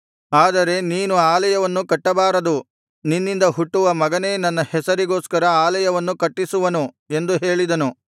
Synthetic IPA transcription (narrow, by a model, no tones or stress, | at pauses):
aːd̪ɐɾe̞niːnuaːlɐjɐʋɐnːukɐʈːɐbaːɾɐd̪u | ninːind̪ɐɦuʈːuʋɐmɐɡɐne̞ːnɐnːɐhɛsɐɾiɡo̞ːskɐɾɐaːlɐjɐʋɐnːukɐʈːisuʋɐnu | e̞nd̪uɦe̞ːɭid̪ɐnu